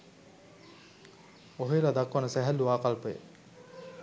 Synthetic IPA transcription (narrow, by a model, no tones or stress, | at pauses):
oɦelad̪akʋanəsæɦælːuʋaːkalpəjə̰